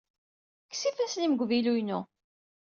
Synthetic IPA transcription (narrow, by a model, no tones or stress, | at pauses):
kːsifæsliməɡʷvilujnu